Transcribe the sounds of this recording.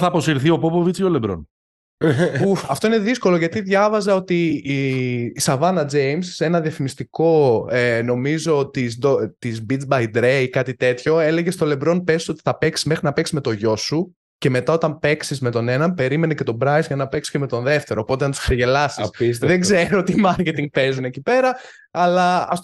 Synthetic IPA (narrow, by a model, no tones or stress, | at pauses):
θɐpo̞siɾθio̞popovit͡sceolebɾo̰n | uɐft̪o̞ine̞ðisko̞lo̞ʝɐt̪iðʝɐvɐzɐo̞t̪i | sɐvɐnɐd͡ze̞imse̞nɐðiɐfimist̪iko̞eno̞mizo̞t̪izd̪ot̪izbit͡sbɐjd̪ɾejkɐt̪it̪e̞t̪ço̞e̞le̞ʝest̪o̞le̞bɾo̞npe̞siso̞t̪i̥θɐpe̞ksi̥zme̞xɾinɐpeksi̥zme̞t̪o̞ʝo̞su | ce̞me̞t̪ɐot̪ɐmpe̞ksizmet̪o̞ne̞nɐmpe̞ɾime̞nece̞t̪o̞bɾɐjzʝɐnɐpe̞ksceme̞t̪o̞nðe̞ft̪e̞ɾo̞ːpo̞t̪eɐnt̪u̥skseʝe̞lɐsisisðeɡzze̞ɾoot̪imɐɾce̞t̪iŋɡ̚pe̞zunecipe̞ɾɐ | ɐlɐɐf